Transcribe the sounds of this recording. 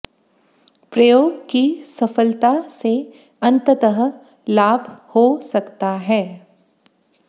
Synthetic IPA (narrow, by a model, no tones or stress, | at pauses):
pɾɐjoːɡkisɐfəlt̪ase | ɐ̃nt̪ət̪əɦə | laːbʱhosɐkt̪aɦɛː